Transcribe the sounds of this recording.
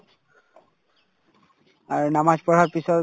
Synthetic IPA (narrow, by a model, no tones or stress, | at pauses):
aɹnamad͡ʒpɔɹaɹpisɔ